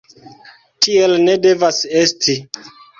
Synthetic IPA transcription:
tielne̞de̞vase̞stʰi

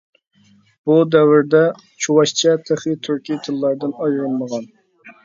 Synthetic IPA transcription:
b̥ud̪ɛwɪɾd̪ɛ | t͡ʃʰuwɑʃt͡ʃʰɛt̪ʰeχit̪ʰyɾkʲit̪ʰɨlˠːɑɾd̪ɨnɑjɾɨlˠməʁɑn

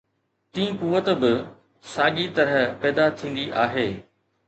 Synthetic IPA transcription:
t̪ĩĩkuʋət̪bɪ | saːʄit̪ɐɾəəpɛːd̪at̪ʰĩːnd̪iʔaːɦeː

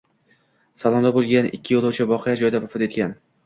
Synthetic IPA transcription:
salˠɒnd̪abolˠɡʲanɪ̰kʲʰːɪjolˠowt͡ʃʰavɒqɨjad͡ʒɒjɪd̪avafɒt̪e̞t̪̚kʲʰan

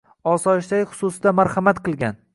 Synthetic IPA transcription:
ɒsɒɪʃd̪ajχʊ̥susɪd̪amaɾhamat̪qɨlˠɡʲan

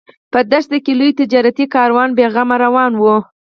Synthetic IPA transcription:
pəd̪aʃd̪əkelujt̪ɪd͡ʒɑɾat̪ikɑɾwɑnbeɣamaɾawɑnwu

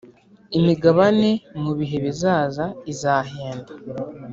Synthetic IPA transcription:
imiɡaβane̞muβiɦe̞βizaːzaizaːɦeːndḁ

